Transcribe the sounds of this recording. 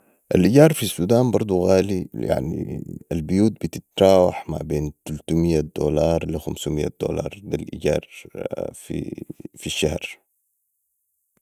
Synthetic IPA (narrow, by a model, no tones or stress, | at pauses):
ʔalʔiɟɑːɾˤfisːuːd̪aːnbɑɾˤd̪ˤuɣaːlija̰ʕnḭalbʊjuːt̪̚bit̪ɪt̪ɾˤɑːwaħma̰beːnt̪alt̪umɪjːad̪̥o̰ːlɑːɾˤlixamsumijːa̰d̪̥o̰ːlɑ̰ːɾˤd̪alʔiɟɑ̰ːɾˤ | fḭfiʃːahɾ